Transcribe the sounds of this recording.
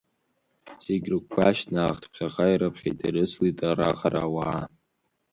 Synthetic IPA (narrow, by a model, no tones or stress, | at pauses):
seɡʲrɨkʷʰːaʃʰnaːχtʰpʰχʲaqʼajɾapʰχʲḭtʰʼaɾɨslitʼara̰qʼaɾa̰waː